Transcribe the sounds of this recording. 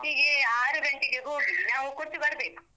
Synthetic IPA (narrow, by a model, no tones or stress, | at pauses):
iɡeaːɾuɡɐɳʈiɡeɦoːɡinaːʋukuɾt̪ːibɐɾɐbeːku